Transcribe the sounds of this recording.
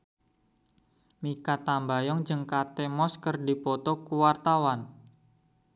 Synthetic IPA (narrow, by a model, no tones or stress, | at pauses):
mikat̪ambajɔŋd͡ʒəŋkat̪emɔskərdi̤pɔt̪ɔkuwart̪awan